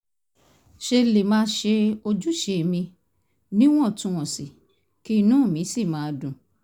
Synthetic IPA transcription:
ʃe˧le˨mãː˦ʃe˧o˧d͡ʒu˦ʃe˨˧˨mĩ˧ | nĩ˦w̃ɔ̃˦˨tũ˨˧w̃ɔ̃˨si˨ | ki˦˧nũ˦˨mĩ˨˦si˦˨mãː˨˦˧dũ˨

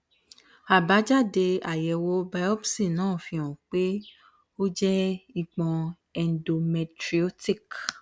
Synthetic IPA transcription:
a˨ba˨˦d͡ʒa˦˨de˧a˨jɛ˨wo˦ba˧˦ɔ˦bsĩ˦˨nãː˦˨fĩ˧ɔ̃˨k͡pe˦ | o˦d͡ʒɛ˦i˨ɡ͡bɔ̃˧ | ɛ˨ndo˨mɛ˧tɾi˧o˦ti˦˨k

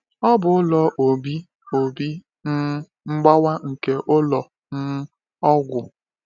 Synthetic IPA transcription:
ɔ˦bʊ˨ʊ˦lɔ˨ʔo˨bi˦ | o˨bi˦ | n̩˦ | ŋ͡m̩˦ɡ͡ba˦wa˦ŋ̩˨ke˦ʔʊ˦lɔ˨ | n̩˦ | ɔ˦ɡʷʊ˨

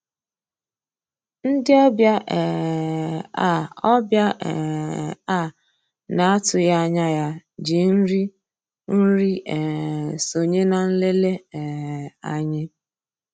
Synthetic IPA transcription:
n̩˦dɪ˦ɔ˦bja˦ʔɛ˨ | a̰˦˨ɔ˦bja˦ʔɛ̰˨a˦˨ | na˨a˦tʊ˨ja˦a˦˨ɲa˦ja˦d͡ʒi˨n̩˦ɾi˦ | n̩˦ɾi˦ʔɛ˨so˨ɲe˦na˨n̩˦le˦le˦ɛ˨a̰˨ɲɪ˦

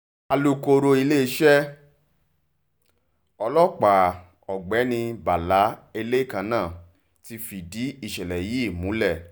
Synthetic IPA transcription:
a˧˨lu˨˧ko˧ɾo˧i˧le˦i˧˦ʃɛ˦ | ɔ˧lɔ˦k͡pa˨ | ɔ˨ɡ͡bɛ˨˦nĩ˧ba˨la˨˦e˧le˦˨kã˧˦nãː˦˨ | ti˧fi˨di˨˦i˦˨ʃɛ˨lɛ˨ji˦˨mũ˨˦lɛ˦˨

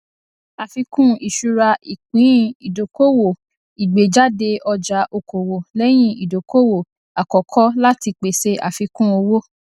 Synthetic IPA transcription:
a˨fi˧kũ˦i˨ʃu˧ɾa˧i˨k͡pĩ˨˦ĩ˦˨i˨do˨ko˦wo˨ | i˨ɡ͡be˨d͡ʒa˦de˧ʔɔ˧d͡ʒa˨˦ʔo˧kʰo˨wo˨lɛ˦j̃ĩ˦˨i˨do˨ko˦wo˨ | a˨kɔ˨kʰɔ˦la˦ti˧k͡pe˨se˦ʔa̰˨fi˧kũ˦o˧wo˦

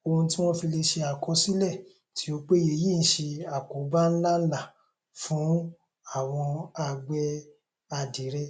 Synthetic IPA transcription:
o˧hũ˧ti˦w̃ɔ̃˦fi˧le˧ʃe˧a˨kʰɔ˧˦si˦lɛ˦˨ | ti˨˦o˧k͡pe˦je˨ji˦˨n̩˨˦ʃe˧a˨ko˨˦ba˦n̩˦la˦la˦˨ | fũ˨˦ | a˦˨w̃ɔ̃˧a˧ɡ͡bɛ˦ | a˧di˨˦ɾɛ˧

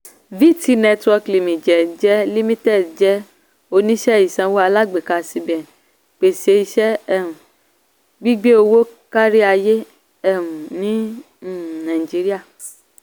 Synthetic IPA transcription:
vi˦˨ti˧˦nɛ˧twɔ˧kli˨mĩ˨d͡ʒɛ˨d͡ʒɛ˦li˦mĩ˦tɛ˦˨d͡ʒɛ˦ | o˧nĩ˦ʃɛ˦˨i˨sã˧˦wo˦a˧la˦ɡ͡be˨ka˧˨si˧bɛ˨n | k͡pe˨se˧i˧ʃɛ˦ɛ˦˨ɾũ˨ | ɡ͡bi˦ɡ͡be˦o˧wo˦ka˦ɾi˦a˧je˦ | ɛ˦ũ˨nĩ˦˨ | nã˨i˨d͡ʒi˦ɾi˦a˦˨

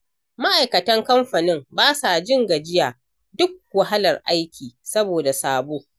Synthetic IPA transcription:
ma˦ʔa˨jkɐ˨tɐ˦ŋkɐ˦mɸɐ˨nɪ˦mbaː˦sa˨d͡ʒɪ˦ŋɡa˨d͡ʒɪ˦jaː˨ | dʊ˦k̚wɐ˨ɦa˦lɐ˨rʔa˦jkʲʰiː˨sɐ˦boː˨da˨saː˦˨boː˦

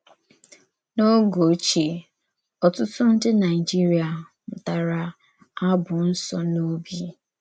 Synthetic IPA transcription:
no˦ɡo˨˦t͡ʃe˨ | ɔ˨tʊ˦tʊ˦n̩˦dɪ˦na˨ɪ˨d͡ʒi˦ɾi˦a˨ | m̩˨ta˨ɾa˨ | a˦bʊ˨n̩˦sɔ˨no˦bi˦

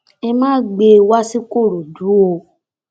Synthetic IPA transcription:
e˧mãː˦ɡ͡be˧wa˦si˦ko˦˨ɾo˨du˨˦o˧

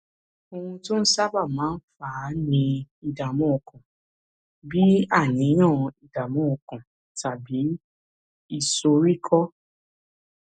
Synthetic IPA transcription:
o˧hũ˧to˦n̩˦sa˦ba˦˨mãː˨˦n̩˦faː˨˦nĩ˧i˧da˨mɔ̃˨˦˨kã˨ | bi˦a˦˨nĩ˨˦nãː˦˨i˨da˨mɔ̃˨˦˨kã˨ | ta˨bi˨˦ | i˦˨so˧ɾi˦kʰɔ˦

